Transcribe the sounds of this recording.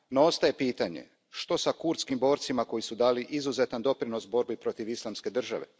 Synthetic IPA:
noost̪aje̞piːt̪aɲḛ | ʃt̪o̞sakuɾt̪skimbo̞ːɾt̪simako̞jisud̪aːliʔizuzet̪and̪o̞pɾino̞sbo̞ɾbipɾo̞t̪iʋislˠamske̞d̪r̩ʒa̰ʋe̞̰

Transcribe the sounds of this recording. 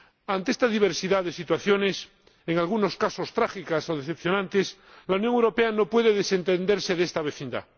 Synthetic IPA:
ant̪eest̪aðiβ̞eɾsiðaðe̞sit̪waθjo̞ne̞s | eŋalɣuno̞skaso̞st̪ɾaxikaso̞ðeθepθjonãnt̪es | launjoŋewɾopeano̞pwe̞ðeðese̞nt̪end̪eɾse̞ðest̪aβ̞eθind̪a̰

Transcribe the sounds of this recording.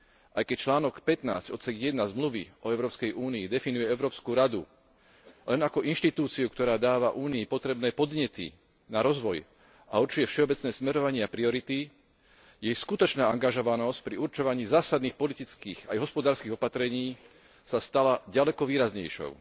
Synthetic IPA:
ʔajkɛc̚t͡ʃlaːnɔkpɛt̪na̰ːzcɔt̪t͡sɛɡjɛd̪nazmluʋḭɔɛʊɾɔːpskɛjʔuːniːd̪ɛfinujɛɛʊɾɔːpskuːɾad̪ṵ | lɛnakɔʔinʃt̪it̪uːt͡siukt̪ɔɾaːd̪aːʋaʔuːniːpɔt̪ɾɛbnɛːpɔd̪ɲɛt̪ḭ | naɾɔzʋɔj | ʔauɾt͡ʃujɛfʃɛɔbɛt͡snɛːsmɛɾɔʋaɲɪɛapɾiɔɾit̪i | jɛjskut̪ɔt͡ʃnaːaŋɡaʒɔʋanɔsc̚pɾiuɾt͡ʃɔʋaɲiːzaːsad̪niːxpɔlit̪it͡skiːɣajɦɔspɔd̪aːɾskiːɣɔpat̪ɾɛɲiː | sast̪alaɟalɛkɔʋiːɾazɲɛ̰jʃɔ̰ʊ

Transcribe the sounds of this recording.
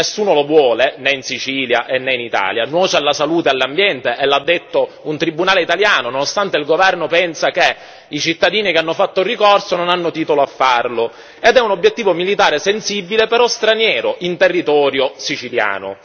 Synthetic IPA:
esːuːnolovwɔːlenɛinsit͡ʃiːlja̰ʔenːɛinit̪a̰ːlja̰nwɔːt͡ʃealːasaluːt̪ealːambjɛnt̪eʔelːad̪ːet̪ːo | unt̪ɾibunaːleit̪aljaːnononost̪ant̪eilɡovɛrnopɛnsake | it͡ʃit̪ːad̪iːnikeanːofat̪ːorikɔrsononanːot̪iːt̪oloafːarlo | ed̪ɛunobjet̪ːiːvomilit̪aːɾesensibːilepeɾɔst̪ɾanjɛːɾoʔint̪erːit̪ɔːɾjosit͡ʃilja̰ːno̰

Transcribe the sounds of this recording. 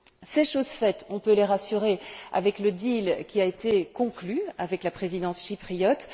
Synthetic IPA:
seʃozfɛt̪ɔ̃pøleʁasyʁea̰vɛkləd̪ilkʲiaet̪ekɔ̃klyavɛklapχezid̪ɑ̃sʃipχijɔt̪

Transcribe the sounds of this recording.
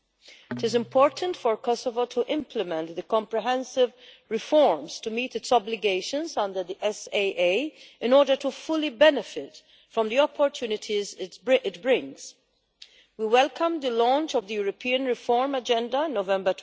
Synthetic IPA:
ɪtɪzɪ̃mpʰɔːɹtʰə̃ntfɔɹkɔsɔvotʰuʔɪ̃mpʰləmɛ̃nt̪d̪əkɔ̃mpɹɪɦɛ̃nsɪv | ɹɪfɔɹmstumiːt̪ɨtsɔblɪɡeɪʃə̃nzʌ̃ndəɾd̪iʔɛseʔeɪɪ̃nɔːɹdə˞tufʊlibɛnɪfɪt | fɹɔ̃md̪iɔpʰːɔɹt̪ʰjuːnɪt̪ʰiztɪʔɪtbɹɪ̃ŋz̥ | wiwɛlkʰə̃md̪əlɔ̃ːnt͡ʃɔvd̪əjuːɾɔpʰiːə̃nɹɪfɔɹmɐd͡ʒɛ̃ndɐnːovɛ̃mbət

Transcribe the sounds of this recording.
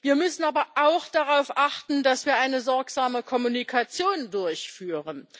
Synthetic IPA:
viːɐmʏsn̩aːbɐʔaʊxd̥aʁaʊfʔaχtn̩dasv̥iːɐʔaɪnəzɔɐkz̥aːməkʰɔmunikʰat͡sjoːndʊɐçfyːʁən

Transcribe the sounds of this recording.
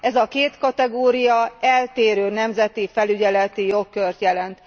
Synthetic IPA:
ɛzɒkeːt̪kɒt̪ɛɡoːɾijɒɛlt̪eːɾøːnɛmzɛt̪ifɛlyɟɛlɛt̪ijo̞kːørt̪jɛlɛnt̪

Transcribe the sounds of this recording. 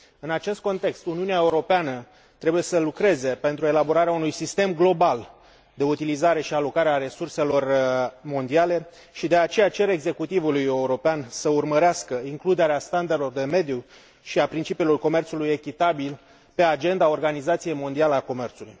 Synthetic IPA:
ɨnat͡ʃe̞st̪̚ko̞nt̪e̞kst̪uniuneaeuɾo̞peanə | t̪ɾe̞buje̞səlukɾe̞ze̞pe̞nt̪ɾuelabo̞ɾaɾeaunujsist̪e̞mɡlo̞bal | d̪e̞ut̪ilizaɾe̞ʃialo̞kaɾeaɾe̞surse̞lo̞rmo̞nd̪iale̞ | ʃid̪e̞at͡ʃe̞jat͡ʃe̞ɾe̞ɡze̞kut̪ivuluje̞uɾo̞peansəurməɾeaskəiŋklud̪e̞ɾeast̪and̪elo̞rd̪e̞me̞d̪ju | ʃiapɾint͡ʃipilorko̞me̞rt̪suluje̞kʲit̪abil | pe̞ad͡ʒe̞nd̪ao̞rɡanizat̪sije̞jmo̞nd̪ialəako̞me̞rt̪sulṵj

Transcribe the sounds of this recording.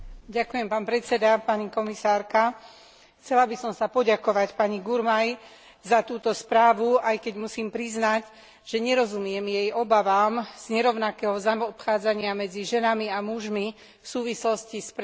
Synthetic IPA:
ɟakujɛmpaːnpɾɛtt͡sɛd̪apaɲikɔmisaːɾka | xt͡sɛlabisɔmsapɔɟakɔʋacpaɲiɡuɾmaj | zat̪uːt̪ɔspɾaːʋuajkɛɟmusiːmpɾiznaɟ | ʒ̥ɛɲɛɾɔzumɪɛmjɛjɔbaʋaːmz̥ɲɛɾɔʊnakɛːɦɔzamɔpxaːd͡zaɲɪamɛd͡ziʒɛnamiamuʒmi | fsuːʋislɔscisp

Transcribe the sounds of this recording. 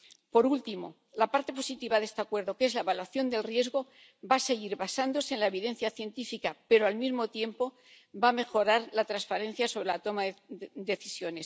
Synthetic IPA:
po̞ɾult̪imo̞̰ | lapaɾt̪e̞po̞sit̪iβaðest̪eakwe̞ɾðo̞ke̞zlaeβalwaθjo̞nd̪e̞lrje̞zɣo̞ | base̞ɣiɾβasand̪o̞se̞enlaeβiðẽ̞n̟θjaθje̞nt̪ifikape̞ɾoalmizmo̞t̪je̞mpo̞ | bame̞xo̞ɾaɾlat̪ɾanspaɾe̞n̟θjaso̞β̞ɾe̞lat̪o̞maðd̪e̞θisjo̞ne̞s

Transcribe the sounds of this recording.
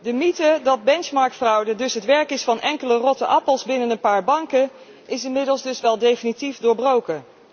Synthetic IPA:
dəmitədɑd̚bɛnt͡ʃmɑɹk̚tfrʌwdədɵsɦətʋɛɹkɪsfɑnʔɛŋkələrɔtəʔɑpəlˠzbɪnənənpaːɹbɑŋkə | ʔɪsɪnmɪdəlˠzdɵsʋɛlˠdejfinitifdʊːɹbrowkə

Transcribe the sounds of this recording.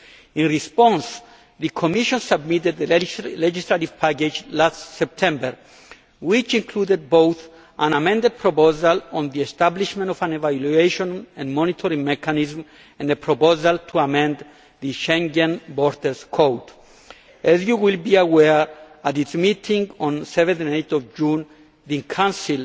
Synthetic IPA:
ĩnɹispɔ̃ns | ðɨkʰomiʃɔ̃nsab̚mit̪ed̪̚əled͡ʒislativ̥pʰaked͡ʒlastsɛp̚t̪ʰɛ̃mbəɹ | wit͡ʃĩŋkʰlud̪ed̪̚bowθ | ʔãnamɛ̃nd̪ed̪̚pʰɾopozalɔ̃nðiest̪abliʃmẽntɔvãnevalueʃɔ̃nɛ̃nmɔ̃nit̪ʰɔɾĩŋmɛkʰanizm | ɛ̃nepʰɹopozalt̪ʰuamɛ̃nd̪ | ðəʃɛ̃ŋɡẽnbɔɹd̪əskʰowt | ɛzjuwilbiawɛ | at̪itsmit̪ʰĩŋɡɔ̃nsɛvɛ̃nθãnejt̪ɔvd͡ʒũn | ðĩkʰãnsil

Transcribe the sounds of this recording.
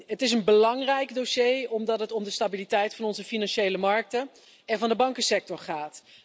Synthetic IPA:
ɦətɪs̬ənbəlɑŋrɛjkdoʃejɔmdɑtɦətɔmdəstabilitɛjtfɑnɔnzəfinɑnʃejləmɑɹk̚tə | ɛnvɑndəbɑŋkəsɛk̚tɔɹχaːt

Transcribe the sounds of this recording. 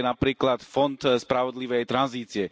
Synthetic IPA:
ɛnapɾiːklat̪fɔnt̪spɾavɔd̪liʋɛjt̪ɾanziːt͡siɛ

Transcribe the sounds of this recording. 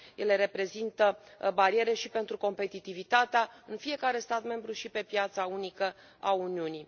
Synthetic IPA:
je̞le̞ɾe̞pɾe̞zint̪əbaɾie̞ɾe̞ʃipe̞nt̪ɾuko̞mpe̞t̪it̪ivit̪at̪eaɨnfije̞kaɾe̞st̪at̪me̞mbɾuʃipe̞pjat̪saunikə | auniuni

